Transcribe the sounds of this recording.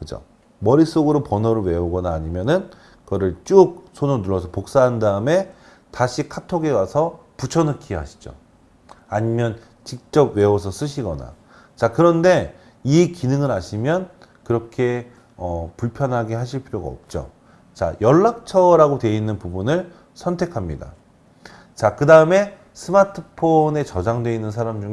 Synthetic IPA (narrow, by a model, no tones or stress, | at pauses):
kɯd͡ʑo̰ | mʌɾis͈oɡɯɾopʌnʌɾɯɭwe̞oɡʌnaːɲimjʌnɯn | kʌɾɯɭt͡ɕ͈uk̚sʰononuɾʌsʰʌpok̚s͈aɦandaɯme̞ | taɕʰikʰatʰoɡe̞wasʰʌput͡ɕʰʌnɯkʰiɦa̰ɕʰi̥d͡ʑo̰ | aɲimjʌn | t͡ɕik̚t͡ɕ͈ʌb̚we̞wʌs̬ʰʌs͈ɯɕʰiɡʌna̰ | t͡ɕakɯɾʌnde̞ | ikinɯŋɯɾaɕʰimjʌn | kɯɾʌkʰe̞ | ʌpuɭpʰjʌnɦaɡeɦaɕ̬ʰiɭpʰiɾoɡa̰ʌ̰p̚t͡ɕ͈o̰ | t͡ɕa̰jʌɭːak̚t͡ɕʰʌɾaɡotwe̞inːɯnpubunɯɭ | sʰʌntʰe̞kʰamɲida̰ | t͡ɕakɯdaɯme̞ | sʰɯmatʰɯpʰone̞t͡ɕʌd͡ʑaŋdwe̞inːɯnsʰaɾamd͡ʑuŋ